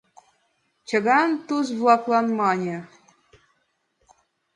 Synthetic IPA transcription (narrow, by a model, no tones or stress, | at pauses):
t͡ɕə̆ɣɑnt̪uzβlˠɑklˠɑnmɑnʲĕ